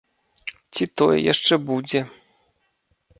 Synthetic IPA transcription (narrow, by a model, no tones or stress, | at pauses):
t͡sʲit̪ɔjɛ̰ja̰ʂt͡ʂɛbud͡zʲɛ